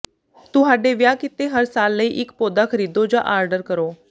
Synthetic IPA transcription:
t̪uɦaɖeʋjakit̪eɦəɾsaːlːəiʔikpod̪akʰəɾid̪od͡ʑaʔaɾɖəɾkəɾo

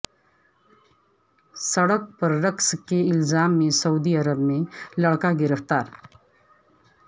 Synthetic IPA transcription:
səɽək̚pəɾːəkskeɪlzaːmːẽsɐud̪iəɾəbmẽləɽkaɡiɾəft̪aːɾ

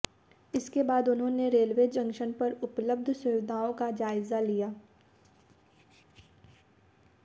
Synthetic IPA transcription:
ɪskebaːd̪ʊnɦõneɾeːlʋeːd͡ʒɐ̃ŋkʃənpɐɾʊpləb̚d̪ʱsʊʋɪd̪ʱaːõkad͡ʒaːɪzalijaː

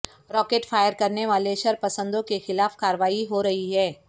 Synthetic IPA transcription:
ɾɔːkeːʈfʰaːjəɾkɐɾneʋaːleʃɐɾpɐsə̃nd̪õkexɪlaːfkaːɾəʋaːiɦoɾɐɦiɦɛː

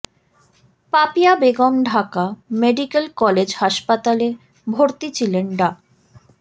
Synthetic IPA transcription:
papijabeɡɔmɖʱakameɖikelkɔled͡ʑhaʃpat̪ale | bʱoɾt̪it͡ɕʰilenɖa

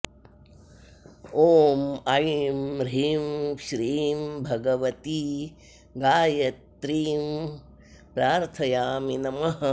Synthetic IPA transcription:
oːmɐjmɾiːmʃɾiːmbʱɐɡɐʋɐt̪i | ɡaːjɐt̪ɾiːm | pɾaːɾt̪ʰɐjaːminɐmɐɦɐ

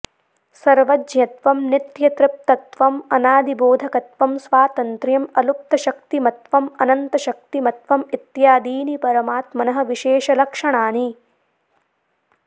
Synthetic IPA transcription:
sɐɾʋɐd͡ʒjɐt̪ʋɐmnit̪jɐt̪ɾɪp̚t̪ɐt̪ʋɐmɐnaːd̪iboːd̪ʱɐkɐt̪ʋɐmsʋaːt̪ɐnt̪ɾjɐmɐlup̚t̪ɐʃɐk̚t̪imɐt̪ʋɐmɐnɐnt̪ɐʃɐk̚t̪imɐt̪ʋɐmit̪jaːd̪iːnipɐɾɐmaːt̪mɐnɐɦɐ̆ʋiʃeːʃɐlɐkʂɐɳaːni

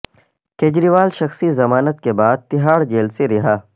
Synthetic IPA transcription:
keːd͡ʒɾiːʋaːlʃɐxsizɐmaːnət̪kebaːd̪̚t̪ɪɦaːɾd͡ʒeːlseɾɪɦaː

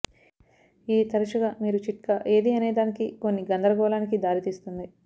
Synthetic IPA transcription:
iːt̪ɐɾɐʃɐɡamiːɾut͡ʃiʈkɐʔe̞ːd̪iɐneːd̪aːnikiko̞nːiɡɐnd̪ɐɾɐɡɔːlaːnikid̪aːɾit̪iːst̪und̪i

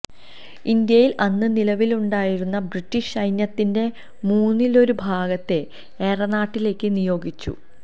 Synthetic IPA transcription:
ind̪jɐjilʔɐnːɨnilɐʋiluɳɖaːjiɾunːɐbritːiɕɐjnjɐt̪ːinde̞ | muːnːilo̞ɾubʱaːɡɐt̪ːe̞ | eːrɐnaːʈːile̞ːkːɨnijo̞ːɡit͡ɕːṵ

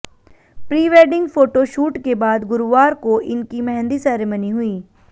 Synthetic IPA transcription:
pɾiːʋeːɖɪ̃ŋɡfoːʈoʃuːʈkebaːd̪ɡʊɾʋaːɾkoʔɪnkimɛɦɛ̃nd̪isɛːɾeməniɦʊiː

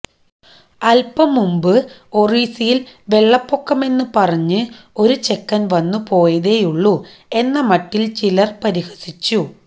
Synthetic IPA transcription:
ɐlpɐmːumbɨo̞riːsijilʋe̞ɭːɐpːo̞kːɐme̞nːɨpɐrɐɲːɨ | o̞ɾut͡ɕe̞kːɐnʋɐnːupo̞ːjɐðejuɭːu | e̞nːɐmɐʈːilt͡ɕilɐrpɐɾihɐ̥sit͡ɕːu

